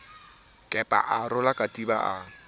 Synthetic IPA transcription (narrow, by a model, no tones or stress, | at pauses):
kʼɛpʼa̰ʔarʊlakʼatʼiba̰ʔa